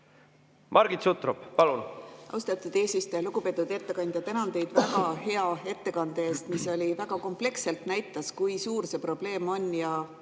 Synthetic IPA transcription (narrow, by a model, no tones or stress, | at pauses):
mʔɑɾɡit̪sut̪ˑɾub̥pɑlunʔɑ̰wst̪ɑt̪ːˑud̪̥e̞ːsist̪ojɑluɡ̥upe̞ːt̪ːˑud̪̥e̞t̪ːe̞kɑnʲd̪jɑt̪ænɑnd̪e̞jd̪̥væɡɑɦe̞ɑe̞t̪ːe̞kɑnd̪̥ee̞ːst̪miso̞lʲivæɡ̥ɑko̞mple̞kse̞lt̪næjt̪ˑːɑskujsuːrse̞pro̞b̥le̞ːmo̞nʲjɑ